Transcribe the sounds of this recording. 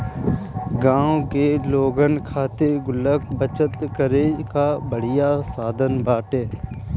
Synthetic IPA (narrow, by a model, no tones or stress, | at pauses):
ɡãːõkeloːɡənkʰaːt̪eɡʊləkbət͡ʃət̪kəɾekabəɽ̤ɪjasaːd̪ʱənbʱaːʈeː